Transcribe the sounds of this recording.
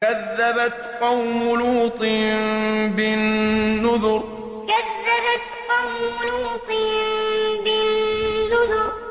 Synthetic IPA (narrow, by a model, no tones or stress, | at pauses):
kaðːabat̪qɑwmʊlhʊt̪ˤiːmbɪnːʊðʊɾ | kaðːabat̪qɑwmʊlhʊt̪ˤiːmbɪː | ʊðʊɾ